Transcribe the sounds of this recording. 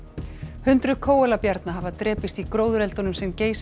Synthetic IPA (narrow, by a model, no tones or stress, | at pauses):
hʏnt̪ɾʏkʰoːwɛlapjaɾt̪naɦavat̪ɾɛːpɪst̪ikɾoːwðʏɾɛlt̪ɔnʏmsɛmceːjs